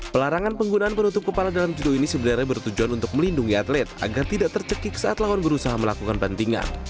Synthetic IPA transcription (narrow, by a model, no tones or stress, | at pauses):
pəlaɾaŋanpəŋɡunaʔːnpənut̪ʊp̚kəpaladalamd͡ʒudoinisəbənarɲabərt̪ud͡ʒuanunt̪ʊk̚məlinduŋiat̪lɛt̪̚a̰ɡart̪idaʔt̪ərt͡ʃəkɪksaʔat̪lawanbəɾusaɦaməlakukanbant̪iŋa̰n